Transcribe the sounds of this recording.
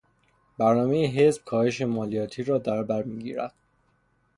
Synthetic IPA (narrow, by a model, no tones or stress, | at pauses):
bæɾnɒːmejeɦezb̥̚kʰɒːhe̞ʃe̞mɒːlijɒːt̪ʰiːɾɒːd̪æɾbæɾmiːɡḭːɾæ̰d̪̥